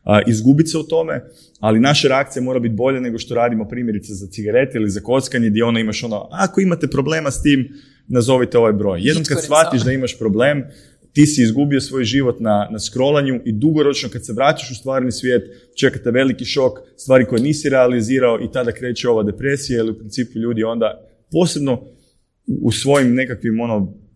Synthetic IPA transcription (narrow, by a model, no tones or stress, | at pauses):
ʔizɡubit̪seut̪o̞me̞ | alinaʃaɾeakt̪ijemo̞ːɾabit̪̚bo̞ʎane̞ɡo̞ʃt̪o̞ɾaːd̪imo̞pɾiːmje̞ɾit̪sezat̪siɡaɾe̞t̪eilizako̞t̪skaɲed̪jeo̞nd̪aimaʃo̞noako̞imat̪e̞pɾo̞ble̞ːmast̪iːm | nazo̞ʋit̪eo̞ʋajbɾo̞jjed̪nomkadssʋat̪iʃd̪aimaʃpɾo̞ble̞ːm | t̪iːsiːzɡubio̞sʋo̞ːjʒiʋo̞t̪nanaskɾo̞laɲuʔid̪uɡo̞ɾo̞t͡ʃno̞kad̪se̞ʋɾat͡ʃaʃust̪ʋaːɾnisʋjeːt̪ | t͡ʃe̞kat̪e̞ʋe̞likiʃo̞kst̪ʋaːɾiko̞jniːsiɾealiziːɾaoʔit̪ad̪akɾe̞ːt͡ʃeo̞ʋad̪e̞pɾe̞sijailiupɾint̪siːpuʎuːd̪io̞nd̪a | po̞se̞bno̞ | ṵːsʋo̞jimne̞kakʋimo̞no̞